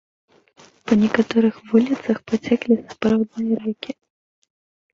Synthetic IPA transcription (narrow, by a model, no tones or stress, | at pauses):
pɐnʲɛkat̪ɔɾɨxvulʲit̪sɐxpat͡sʲɛklʲisapɾawd̪nɨjɐɾɛkʲi